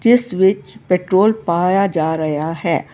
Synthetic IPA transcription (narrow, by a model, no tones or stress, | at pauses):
d͡ʒɪsʋɪt͡ʃpeːʈɾoːlpaːjad͡ʒaːɾɐjaɦɛː